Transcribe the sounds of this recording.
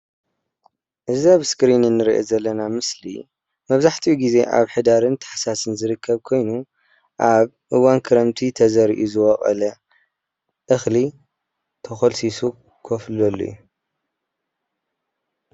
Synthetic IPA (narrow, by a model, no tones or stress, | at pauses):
ʔɨzɐβskɾininːɨɾiʔezɐlːɐnamɨslḭ | mɐβzaħt̪ʰijuɡize̞ʔa̰βħɨd̪aɾɨnt̪ʰɨ̥ħsasɨnzɨɾɨkʰːɐβkʰo̞jnu | ʔaβ | ʔɨwankʰɨɾɐmt̪ʰit̪ʰɐzɐɾiʔuzɨwɐχʼɐ̰lɐ | ʔɨxli | t̪ʰɐxolsisu | kʰoflɐlːo̰jːu